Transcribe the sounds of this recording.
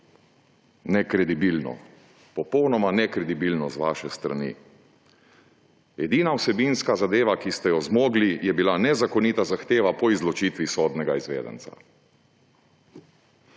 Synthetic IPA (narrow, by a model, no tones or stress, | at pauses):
nɛkɾɛd̪ibilnɔ̰ | pɔpɔwnɔmanɛkɾɛd̪ibilnɔzʋaːʃɛst̪ɾa̰nḭ | ɛd̪iːnawsɛbinskazad̪eːʋakist̪ɛjɔzmoːɡlijɛbilanɛzakɔniːt̪azaxt̪eːʋapɔizlɔt͡ʃiːt̪ʋisɔːd̪nɛɡaizʋḛːd̪ɛ̰nt̪sa̰